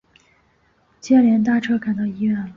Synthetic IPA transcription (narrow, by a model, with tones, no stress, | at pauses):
t͡ɕjɛ˥˩ljɛ˧˥nt̪̬a˥˧ʈ͡ʂʰɤ˥ka˨˩nt̪ɑ˥˧ʊi˥ɥɛ˥˩n